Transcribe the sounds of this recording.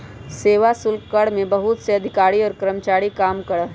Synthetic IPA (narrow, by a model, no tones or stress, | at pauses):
seːʋasʊlkkəɽmẽbɐɦʊt̪seɐd̪ʱɪkaːɽiɔːɾkɾəmt͡ʃaːɾikaːmkɐɽəɦ